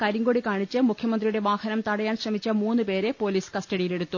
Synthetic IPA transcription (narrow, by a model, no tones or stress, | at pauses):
kɐɾiŋɡoɽikaːɳit͡ɕːɨmukʰjɐmɐnd̪rijuɽe̞ʋaːhɐnɐmt̪ɐɽɐjaːnɕrɐmit͡ɕːɐmuːnːɨpe̞ːɾe̞po̞ːliːskɐstɐɽijile̞ɽut̪ːu